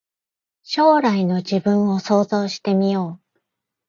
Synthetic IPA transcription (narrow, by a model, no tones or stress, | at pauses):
ɕo̞ːɾaino̞d͡ʑibɯ̟̃ɰ̃o̞so̞ːzo̞ːɕi̥t̪e̞mʲijo̞ː